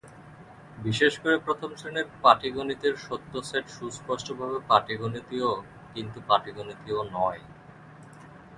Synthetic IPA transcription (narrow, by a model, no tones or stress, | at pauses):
biʃeʃkoɾepɾot̪ʰomsʰɾeneɾpaʈiɡonit̪iɾʃot̪ːoseʈʃuspoʃʈobʱabepaʈiɡonit̪io | kint̪upaʈiɡonit̪ionɔe